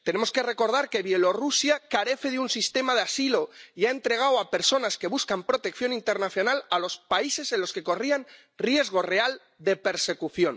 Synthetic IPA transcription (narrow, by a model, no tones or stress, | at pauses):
t̪ene̞mo̞ske̞re̞ko̞ɾð̞aɾke̞βje̞lo̞rusjakaɾe̞θe̞ðeunsist̪e̞maðeasilo̞iae̞nt̪ɾe̞ɣ̞awape̞ɾso̞naske̞βuskampɾo̞t̪e̞kθjo̞nint̪e̞ɾnaθjo̞nalalo̞spaise̞se̞nlo̞ske̞ko̞rian | rje̞zɣ̞o̞re̞al | d̪e̞pe̞ɾse̞kuθjo̞n